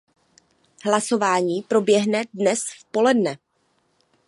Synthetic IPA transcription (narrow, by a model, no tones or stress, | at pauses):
ɦlaso̞vaːɲiːpɾo̞bjɛɦnɛdnɛsfpo̞lɛdnɛ